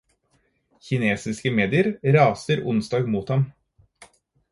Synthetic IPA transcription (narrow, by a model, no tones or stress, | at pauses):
çɪneːsɪskəmeːd̪ɪəɾɾɑːsəɾʊnsd̪ɑːɡmuːt̪hɑm